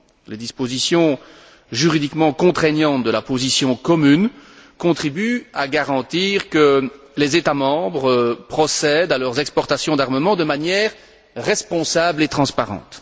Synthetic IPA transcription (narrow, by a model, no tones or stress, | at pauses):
led̪ispozisjɔ̃ | ʒyʁid̪ikmɑ̃kɔ̃t̪χɛɲjɑ̃t̪̚d̪əlapozisjɔ̃kɔmynkɔ̃t̪χibyaɡaʁɑ̃t̪iːʁkə | lezet̪amɑ̃bʁəpχɔsɛd̪alœʁzɛkspɔʁt̪asjɔ̃d̪aʁməmɑ̃d̪əmanjɛːʁː | ɛspɔ̃sablet̪χɑ̃spaʁɑ̰̃ːt̪